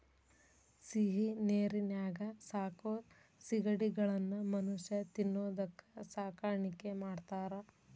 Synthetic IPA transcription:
siɦineːɾinjaːɡɐsaːkoːt̪ | siɡɐɽiɡɐɭɐnːumɐnuʃjɐt̪inːoːd̪ɐkːɐ̥saːkaːɾɐɳikemaːɖt̪aːɾɐ

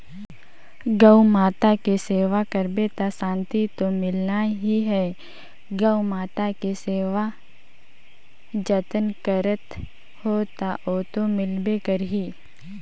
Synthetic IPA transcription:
ɡəumaːt̪akeseːʋakəɾbet̪asãːnt̪it̪omɪlnaɦiɦɛː | ɡəwmaːt̪akeseːʋa | d͡ʒət̪ənkəɾət̪ | hoːt̪aʔoːt̪omɪlbekəɾɦiː

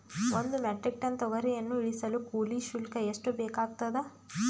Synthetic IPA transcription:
ond̪umeʈɾik̚ʈɐnt̪ɐʋɐɾijɐnːuiɭisɐlukuːliːʃulkɐeʂʈubeːkaːɡ̚t̪ɐd̪e

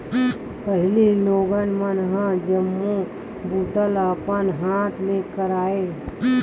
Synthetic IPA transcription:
pəɦɪliloːɡənmənɦə̃d͡ʒəmːu | but̪ələpənɦaːt̪ʰleːkəɾaːe

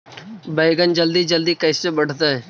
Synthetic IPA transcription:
bəjɡənd͡ʒəld̪iːd͡ʒəld̪iːkəɪsebəɽ̤t̪aɦɛː

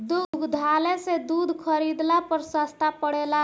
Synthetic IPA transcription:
d̪ʊɡd̪ʱaːlesed̪uːd̪ʱkʰəɾid̪lapəɾsast̪apəɽeːla

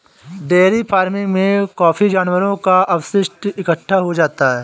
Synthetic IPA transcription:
d̪eːɾipʰaːɾmɪ̃ŋɡmẽkɔːfid͡ʒaːnwəɾõkaʔɐʋʃɪʃʈ̪ɪkəʈʰːaɦod͡ʒaːt̪aɦɛː

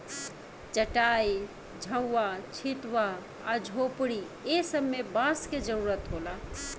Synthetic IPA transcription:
t͡ʃəʈai | d͡ʒʱə̃ːat͡ʃʰit̪ʋaː | d͡ʒʱopɽi | esəbmebasked͡ʒəɾuɾət̪ɦola

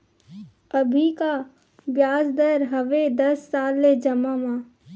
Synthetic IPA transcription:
əbʱika | bjaːsd̪əɾɦəʋed̪ɐsːaːlːed͡ʒəmamãː

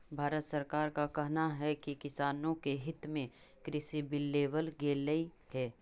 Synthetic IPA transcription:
bʱaːɾət̪səɾkaːɾkakɛɦnaɦɛkikɪsaːnõkeɦɪt̪mẽ | kɾɪsibɪlːeːʋəlɡeːlːəihɛː

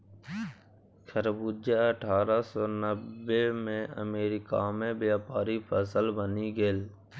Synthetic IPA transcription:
kʰəɾbud͡ʒaəʈʰaːɾasɔːnəːemẽə̰meːɾɪkamẽbjaːpaːɾipʰəsəlbəniɡəl

